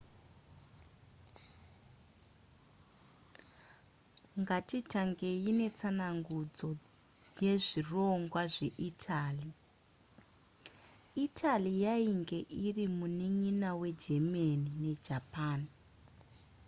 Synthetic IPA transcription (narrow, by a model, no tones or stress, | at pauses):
ŋɡatitaŋɡe̞jine̞t͡sanaŋɡud͡zo̞ | je̞ʐiroŋɡwaʐe̞ʔitʰaːli | itʰalijaiŋɡe̞ʔirimuniɲinawe̞d͡ʒe̞manine̞d͡ʒapaːn